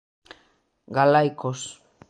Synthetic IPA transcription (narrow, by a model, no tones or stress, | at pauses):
ɡalajkos